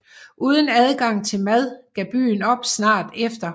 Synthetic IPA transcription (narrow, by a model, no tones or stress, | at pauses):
ʔuːð̞ˠənæð̞ˠɡ̥ɑ̈ŋ̰t͡sʰe̝lmæð̞ˠɡ̥æb̥y̰ːnɒ̽b̥snɑ̰̈ːd̥efd̥ɐ